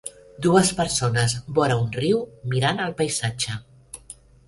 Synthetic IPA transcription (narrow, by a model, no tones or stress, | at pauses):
d̪uəspəɾsonəzbɔɾəunriwmiɾanəlˠpəjzad͡ʒə